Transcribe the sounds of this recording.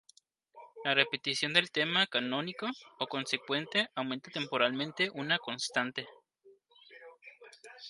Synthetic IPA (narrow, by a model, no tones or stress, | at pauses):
larepet̪isjo̞nd̪elt̪emakanonikookonsekwent̪eawment̪at̪empoɾalmẽnt̪eʔunakonst̪ant̪e